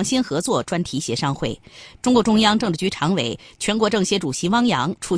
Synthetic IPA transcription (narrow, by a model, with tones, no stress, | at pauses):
ŋɕi˥nxɤ˧˥t͡swɔ˥˩ʈ͡ʂwa˥nt̪ʰi˧˥ɕjɛ˧˥ʂɑ˥˧ŋxwe˥˩ɪʈ͡ʂʊ˥ŋkwɔ˧˥ʈ͡ʂʊ˥ŋjɑ˥ŋʈ͡ʂɤ˥˧ŋʈ͡ʂ̩ɻ̩˧˩t͡ɕy˧˥ʈ͡ʂʰɑ˧˥ŋwe˨˩ɪ | t͡ɕʰɥɛ˧˥nk̬wɔ˧˥ʈ͡ʂɤ˥˩ŋɕjɛ˧˥ʈ͡ʂu˨˩ɕi˧˥wɑ˥ŋjɑ˧˥ŋʈ͡ʂʰu˥˩